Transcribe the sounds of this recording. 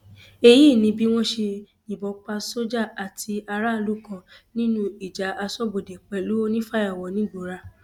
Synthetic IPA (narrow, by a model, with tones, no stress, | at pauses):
e˧jiː˦˨nĩ˨˧˦bi˦w̃ɔ̃˦ʃe˧ | nĩ˨bɔ˨˧k͡pa˧so˦d͡ʒa˦˨a˨tʰi˧a˧ɾa˦˨lu˨˦kɔ̃˧˨nĩ˦nũ˦i˨d͡ʒa˨a˧sɔ˦bo˨dɛ˨k͡pɛ˧lu˦o˦nĩ˦fa˦ja˦˨wɔ˨˦nĩ˦ɡ͡bo˨˦ɾa˧